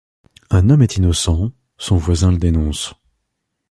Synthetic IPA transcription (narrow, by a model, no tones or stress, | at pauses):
ɛ̃nɔmɛt̪ʰinɔsɑ̃ | sɔ̃vwazɛ̃ləd̪enɔ̃s